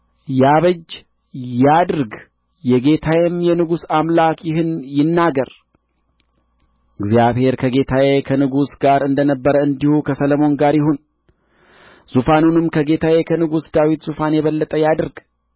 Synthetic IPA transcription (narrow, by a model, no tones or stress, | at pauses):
jaβəd͡ʒ | jad̪ɾɡ | jɛɡe̞t̪ʰawɛmjɛnɨɡusamlakjɪɦɨnjɪnːaɡəɾ | ʔɨɡzijaβhe̞ɾkʰəɡe̞t̪ʰawekʰənɨɡusɡaɾɨnd̪ənəbːəɾəɨnd̪ihukʰəsələmo̞nɡaɾjɪɦon | z̥ufanunɨmkʰəɡe̞t̪ʰawekʰənɨɡusd̪awit̪zufanjɛβəlːət̪ʼəjad̪ɨɾɡ